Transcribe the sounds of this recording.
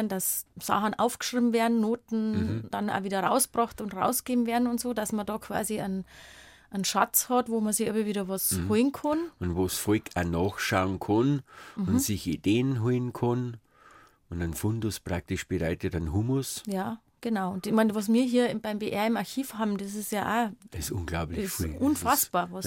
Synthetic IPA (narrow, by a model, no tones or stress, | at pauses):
nd̥assa̰xn̩ʔa̰ʊfɡ̥ʃʁ̥iːbm̩vɛːɐdn̩noːtn̩d̥ana̰ːviːdɐʁa̰ʊsb̥ʁɑxtʊntʁa̰ʊsɡ̥eːm̩veːɐdn̩ʊntz̥oːd̥asmɐdɑːkʰv̥a̰ːziən | ʔənʃa̰t͡shɑtvoːmɐzɪçɛbməviːɾɐʋɔsholnkʰɔnʊntvoːsfɔɪkanɑːxʃaʊənkʰɔnm̩ʊnsɪçideːənɦolnkʰɔn | ʊndanfʊndʊspʁ̥ak̚tɪʃb̥ɪʁaɪtətanɦumʊsjaː | ɡ̥ənaʊʊntɪçmanvɔs̬miːɐɦiːɐbaɪmbeːʔɛɐɪmaɐçiːfhabmdɛs̬ɪsjaːʔasʊ̰nɡ̥laʊplɪʔʊnfasb̥aːɐvɔs